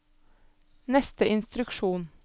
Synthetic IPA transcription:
nɛst̪əʔɪnst̪ɾʉkʃuːn

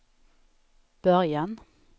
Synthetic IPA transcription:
b̥œʁjan

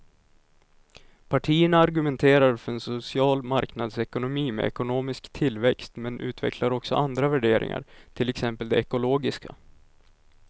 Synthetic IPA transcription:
pʰaʈʰiːəɳaaɾɡɵmɛnt̪ʰeːɾaɾfœɾɛnsʊsɪɑːlmaɾknad̪sɛkʊnʊmiːmɛ̰ɛ̰kʊnoːmɪskt̪ʰɪlːvɛkst̪mɛnʔʉ̟̰ːt̪ʰvɛ̰kʰlaɾɔksɔ̰ʔand̪ɾavæɖeːɾʔɪ̰ŋa̰ɾʈ̪ʰɪlɛksɛmpəld̪ɛɛkʊloːɡɪska̰

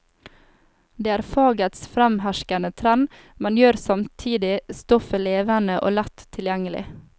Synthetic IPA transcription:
d̪eːæːɾfɑːɡət̪sfɾæmhæʃkɑnət̪ʰɾɛn | mɛnjøːɾsɑmt̪ʰiːd̪ɪst̪ɔfəleːʋənəʔo̰ːlæt̪ʰːɪljæŋəlɪ̰

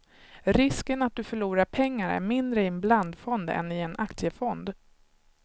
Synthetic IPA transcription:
ɾɪskənat̪̚d̪ɵfœɭuːɾaɾpʰɛŋːaɾæ̰ɾmɪnd̪ɾəɪɛnbland̪fɔnd̪ɛ̰nɪɛnʔakt̪sjəfɔnd̪

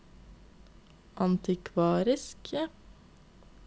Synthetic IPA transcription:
ʔɑnt̪ɪkʰʋɑːɾɪsk

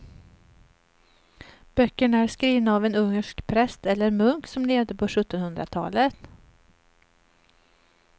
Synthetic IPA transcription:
b̥œkːəɳæɾskɾiːvnaːvɛnɵŋːəʂkpʰɾɛst̪ɛlːəɾmɵŋksɔmleːvd̪əpʰɔɧɵt̪ːɔnhɵnd̪ɾa̰t̪ʰɑ̰ːlət̪

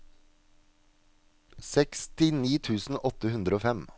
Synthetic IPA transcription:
sɛkst̪ɪniːt̪ʰʉːsn̩ʔɔt̪əhʉnd̪ɾəoːfɛm

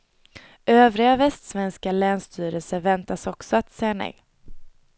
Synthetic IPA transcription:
ʔøːvɾɪɡavɛst̪svɛnskalɛːnst̪ʰyːɾəlsəɾvɛnt̪asɔksɔat̪sɛjːanɛ̰j

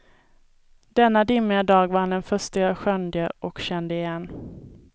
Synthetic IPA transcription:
d̪̥ɛnːad̪ɪmːɪad̪ɑːɡvaɾhand̪ɛnfœʂʈəəɧœnd̪ɪəʔɔkɕɛnd̪əɪjɛnː

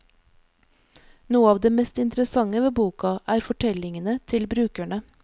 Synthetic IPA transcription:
nuːəɑːʋd̪eːmɛst̪ɪnt̪ɾəsɑŋəʋeːbuːkɑʔæːɾfɔʈʰɛlɪŋənət̪ʰɪlbɾʉːkæɳə

